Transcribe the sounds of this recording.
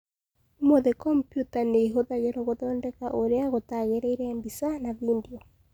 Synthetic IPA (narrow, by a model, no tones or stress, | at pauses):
moðekɔmpjutaneɦoðaɣeɾɔɣoðɔːndɛkaʔoɾeaɣotaɣeɾɛiɾɛɛmbisanaβindiɔ